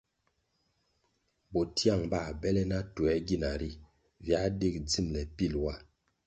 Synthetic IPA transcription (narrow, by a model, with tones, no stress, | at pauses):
bɔ˨ti˦a˦˨ŋba˦˨bɛ˦lɛ˦na˦tu˨ɛ˦ɡi˦˨na˨ɾi˦˨ | vja˦de˦˨k̚d͡zi˦˨mlɛ˨pi˦˨lwa˦˨